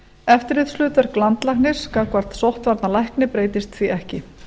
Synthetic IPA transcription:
ɛft̪ɪɾɪðslʏːt̪vaɾklant̪lajhknɪɾ̥skakvaɾt̪sowht̪vaɾt̪nalajhknɪpɾeːjt̪ɪst̪θiɛhcɪ

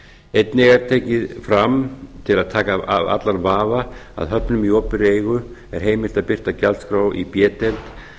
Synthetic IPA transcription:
ejt̪̚nɪɣaɾ̥t̪ʰeːjcɪðfɾamt̪ʰɪlaðt̪ʰaːkaaa̰t̪lanvaːvaa̰ðɦœpnʏmiɔːpɪɾeːjɣʏɛɾ̥ɦeːjmɪl̥t̪aðpɪr̥t̪acalskɾaːwḭpjɛːt̪ɛlt̪

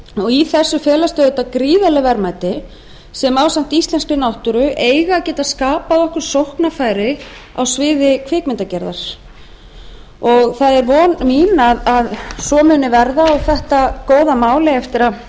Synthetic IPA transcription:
ɔɣiθɛsːʏfɛːlast̪œːðʏt̪akɾiːðalɪvɛɾmaːjt̪ɪ | sɛmaːwsan̥t̪ist̪lɛnskʏnawht̪ʏɾʏʔeːjɣaːcɛːt̪askaːpaðɔhkʏɾ̥sowhknafaːjɾɪ | a̰wsvɪːðɪkʰvɪːkmɪnt̪acɛɾðaɾ̥ | ɔɣθaðɛɾvɔːnmiːnaðaðsɔːmʏːnɪvɛɾðaɔɣθɛht̪akoːwðamaːwlɪɛft̪ɪɾa

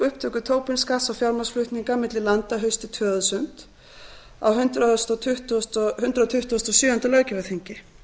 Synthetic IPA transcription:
ʏhpt̪ʰœkʏt̪ʰoːwpɪnskasawfjawɾmasflʏht̪niŋkamɪt̪lɪlant̪aɦœɥst̪ɪt̪ʰœːðʏsʏnt̪ | a̰wɦʏnt̪ɾast̪ɔt̪ʰʏht̪st̪hʏnt̪ɾaðt̪ʰʏht̪ːst̪ɔsjʏːʏnt̪alœːɥcɪvaθiɲcɪ

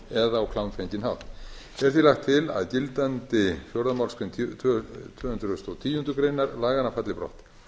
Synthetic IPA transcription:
ɛðaːwkʰlawmfɛnt̪ɪnha̰wt̪ | ɛɾ̥θilaxt̪ʰːɪla̰ðt̪ɪlt̪ant̪ɪfjɔwɾðamawlskʏmt̪ʰ | t̪ʰʏːhʏnt̪ɾʏst̪owt̪ʰiːjʏnt̪ʏkɾejnːaɾlaːɣanafat̪lɪpɾɔ̰ht̪

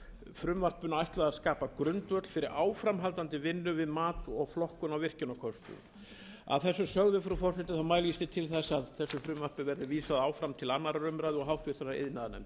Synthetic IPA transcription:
fɾʏmvar̥pːʏnːaajht̪laðaskaːpakɾʏnt̪vœt̪l̥fɪɾɪɾʔaːwfɾamɦalt̪ant̪ɪvɪnːʏvɪðmaːt̪ɔɣflɔhkʏnawvɪr̥cɪnakʰɔst̪ʏ̰m | a̰ðθɛsːʏsœɣðʏfɾʏfɔrs̬ɛt̪ɪθawmaːjlist̪ɪt̪ʰɪlθɛsːaðθɛsːʏfɾʏmvar̥pɪvɛɾðɪviːsaðawfɾamt̪ʰɪlanːaɾarʏmɾajðɔɣɦawht̪ɪɾ̥θɛsaḛðnaðanɛ̰mt̪

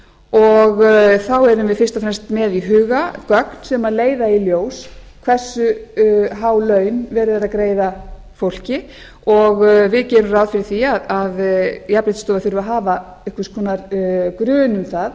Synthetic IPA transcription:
ɔɣθawɛɾʏmvɪðfɪr̥st̪afɾɛmst̪mɛðiɦʏːɣakœkn̥sɛmaleːjðailjoːwskʰvɛr̥sʏɦawlœːɥnvɛːɾʏðaɾaðkɾeːjða | fowl̥cɪ | ɔɣvɪðcɛːnʏraːwðfɪɾɪɾ̥θiaðaðjapɾɪt̪st̪ɔːvaθʏɾvʏaɦaːva | ɪhkvaskʰvɔːnaɾkɾʏːnʏmθað

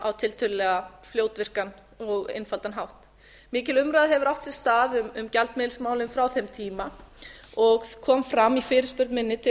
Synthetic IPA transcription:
awt̪ʰɪlt̪ʰʏlɪlɛːɣafljoːwt̪vɪr̥kan | ɔɣɪ̰nfalt̪anɦawht̪ | mɪːcɪlʏmɾaːðɦɛvʏɾawht̪sjɛ̥st̪aːðʏmʏmcalt̪mɪːðlsmaːwlʏmfɾawθɛmt̪ʰiːma | ɔɣkʰɔːmfɾamːifɪːɾɪ̥ɾspʏɾt̪mɪnːɪt̪ʰɪ

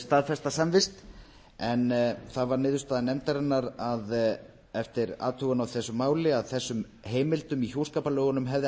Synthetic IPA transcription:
st̪aðfɛst̪asamvɪst̪ | ɛnθaðvaɾnɪːðʏst̪aːðanɛmt̪aɾɛnːaɾað | ɛft̪ɪɾa̰ːt̪ʰuɣanawθɛsːʏmːaːwlɪaðθɛsːʏm | heːjmɪlt̪ʏmiçjoːwskaːpalœːɣʏnʏmɦɛvðɪ

